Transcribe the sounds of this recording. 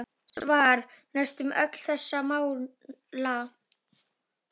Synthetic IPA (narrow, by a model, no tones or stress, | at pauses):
svaːɾ̥nɛst̪ʏmœkl̥θɛsːamaːw | la